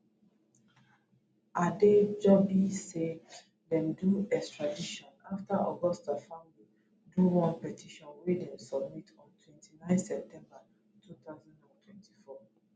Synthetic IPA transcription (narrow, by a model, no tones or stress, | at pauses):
ʔaded͡ʒɔbise | dɛ̃mduɛkstɹadiʃɔ̃naftaʔɔ̰ɡɔstafãndi | duwɔ̃npɛtʰiʃɔ̃nwedɛ̃msɔb̚mitɔ̃ntʰwɛ̃ntʰinãɪ̃nsɛp̚tʰɛ̃mba | tʰut̪aʊzɔ̃ndãntʰwɛ̃nti̥fɔ